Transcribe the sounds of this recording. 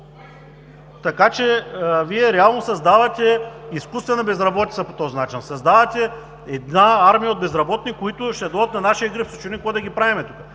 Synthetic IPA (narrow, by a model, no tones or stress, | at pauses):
t̪ɐkat͡ʃɛviɛɾɛalˠnosɐzd̪avɐt̪ʲɛiskust̪vɛnɐbɛzɾɐbɔt̪it̪sɐpo̥t̪ɔzinat͡ʃinsɐzd̪avɐt̪ʲɛ | ɛd̪naaɾmijəod̪bɛzɾɐbɔt̪nikoit̪ʊʃt̪ɛd̪ɔd̪ət̪nɐnaʃiəɡɾifso̥t͡ʃunʲikojd̪ɐɡʲipɾavimɛt̪ukə̥